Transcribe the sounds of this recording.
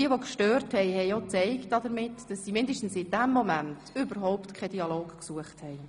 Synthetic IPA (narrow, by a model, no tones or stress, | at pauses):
iəʋokʃtøːɾthɛɪhɛjot͡sɛɪktːɑdəɾmɪtd̥ɑsːimɪndəʃtn̩sɪd̥æmːɔmæntʏbəɾɦɔʊptkʰɛd̥iɑloːkksuəχthɛɪ